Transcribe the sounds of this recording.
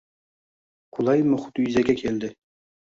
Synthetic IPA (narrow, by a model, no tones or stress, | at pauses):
qʰulˠɑjmʊχʊ̥t̪jyzɛɡʲɛkʲʰeld̪ɪ